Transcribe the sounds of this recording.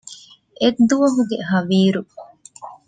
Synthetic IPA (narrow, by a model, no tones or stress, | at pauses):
ʔed̪ːuʋɐɦuɡeɦɐʋiːɾu